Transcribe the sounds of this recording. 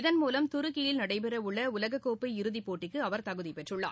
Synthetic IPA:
ɪðɐnmuːlɐmt̪ʊɾɯkːɪjɪlnɐɽɐɪpɛɾɐʊɭːɐʊlɐɣɐkːoːpːɐɪɪɾɯðipːoːʈːɪkːɯɐʋɐɾt̪ɐɣɯðɪpɛʈrɯɭːa̰ː

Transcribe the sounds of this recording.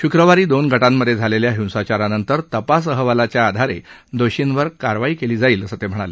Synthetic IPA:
ɕukɾəʋaɾiːd̪onɡʱəʈamːəd̪ʱed͡zʱaleljaɦĩw̃sat͡ɕaɾanənt̪əɾt̪əpas̬əɦəʋəlat͡ɕjaːd̪ʱaɾḛd̪oɕinʋəɾkaɾʋaiːkeliːd͡zaiːləsət̪em̤əɽ̃ale

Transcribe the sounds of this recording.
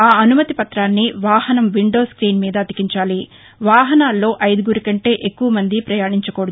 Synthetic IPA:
aːɐnumɐt̪ipɐt̪ɾaːnːiʋaːhɐnɐmʋiɳɖo̞ːskɾiːnmiːd̪ɐːd̪ikiɲt͡ʃaːli | ʋaːɦɐnaːlːo̞ːʔɐjd̪uɡuɾikɐɳʈe̞ːʔekːuʋɐmɐnd̪ipɾɐjaːɳiɲt͡ʃɐkoːɽ

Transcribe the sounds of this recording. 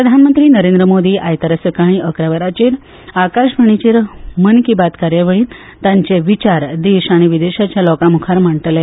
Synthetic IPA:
pɾəd̪ʱanmənt̪ɾiːnəɾend̪ɾəmod̪iːʔajt̪əɾəsəkaɽ̃iəkɾaʋəɾat͡ɕeːɾ | akaɕbʱəɳ̃it͡ɕeːɾmənkibat̪kaɾjəʋəɭiːn | t̪ãɲt͡seʋit͡ɕaɾd̪eɕaɽ̃iʋid̪eɕat͡ɕjalɔkamukʰaɾm̤əɳt̪le

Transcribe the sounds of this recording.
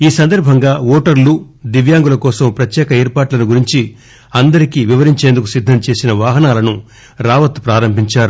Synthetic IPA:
iːsɐnd̪ɐɾbʱɐŋɡaːɔːʈɐɾlu | d̪iʋjaːŋɡulɐkɔːsɐmpɾɐt̪jɛːkɐɛːɾpaːʈlɐnuɡuɾiɲt͡ʃi | ɐnd̪ɐɾikiʋiʋɐɾiɲt͡ʃeːnd̪ukusid̪ʱːɐmt͡ʃe̞ːsinɐʋaːɦɐnaːlɐnu | ɾaːʋɐt̪pɾaːɾɐmbʱiɲt͡ʃaːɾu

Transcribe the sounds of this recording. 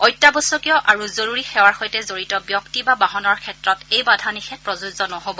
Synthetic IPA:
ɔjtːabɔsɔkijɔʔaɹuzoɹuɹixɛwaɹxojtɛzoɹitɔbjɔktibabaɦɔnɔɹkʰɛtɹɔtejbadʱanixɛpɹɔzuzɔnɔɦobɔ

